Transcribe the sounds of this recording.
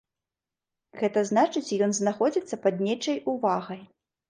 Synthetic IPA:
ɣɛt̪ɐznat͡ʂɨt͡sʲjɔnznaxɔd͡zʲit̪sːɐpɐd̪nʲɛt͡ʂɐjuvaɣɐj

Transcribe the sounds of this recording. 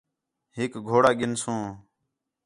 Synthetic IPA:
ɦɪkɡʱoːɽaːɡɪnsũː

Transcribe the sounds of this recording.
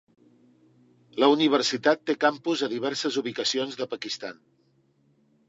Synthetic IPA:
ləuniβ̞əɾsit̪at̪ːekampuzəðiβ̞ɛɾsəzuβ̞ikəsionzðəpəkist̪a̰n

